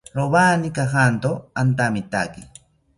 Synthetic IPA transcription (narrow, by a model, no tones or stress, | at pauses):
ɾoβanikaxant̪oant̪amit̪a̰ki